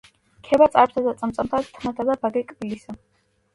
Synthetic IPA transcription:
kʰɛbat̪sʼaɾp̚sʰad̪at̪sʼamt̪sʼamt̪ʰat̪ʰmat̪ʰad̪abaɡɛkʼbilisa

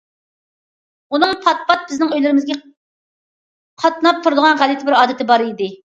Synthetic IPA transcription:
unɨŋpʰɑt̪̚pɑt̪̚b̥ɪznɪŋøjlɪɾɪmɪzɡʲɛ | qʰɑt̪nɑp̚t̪ʰuɾɨd̪əʁɑnʁælɪt̪ʰɪbɪɾɑːd̪ɨt̪ʰɪbɑɾid̪ɪ

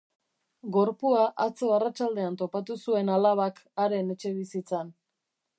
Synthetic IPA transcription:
ɡo̞ɾpuaʔat͡so̞arat͡ʃald̪e̞ant̪o̞pat̪usue̞nalaβ̞akaɾe̞ne̞t͡ʃe̞βisit͡san

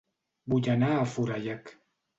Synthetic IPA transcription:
buɟanaːfuɾajak

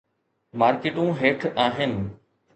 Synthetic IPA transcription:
maːɾkeʈũːɦeːʈʰaːɦɪnɪ̆

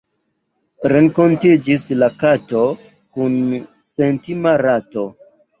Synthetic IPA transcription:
ɾe̞ŋko̞ntid͡ʒislakato | kun | sentimaɾato̞

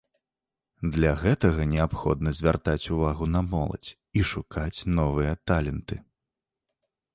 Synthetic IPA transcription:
d̪lʲɐɣɛt̪ɐɣɐnʲɛapxɔ̰d̪nɐzʲvʲart̪at͡sʲuvaɣunɐmɔlˠɐ̰t͡sʲ | iʂukʰat͡sʲnɔvɨjɐt̪alʲɛnt̪ɨ

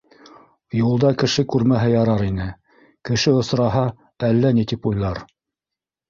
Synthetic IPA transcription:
julˠd̪ɑkɘ̆ʃɘkʉɾmæɦɘjɑɾɑɾinɘ | kɘ̆ʃɘŏsɾɑɦɑ | ælːænit̪ipujlˠɑɾ

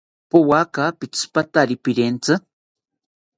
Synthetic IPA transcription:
powakapɪt͡spat̪aɾipiɾent͡sɨ

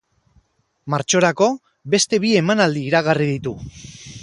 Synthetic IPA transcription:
maɾt͡ʃo̞ɾako̞ | βe̞st̪e̞βie̞manald̪iːɾaɣ̞arið̞it̪u

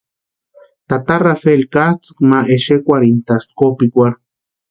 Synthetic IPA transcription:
t̪at̪arafelkaht͡sɨ̥kmaʔeʃekʷaɾint̪askopikʷaɾ

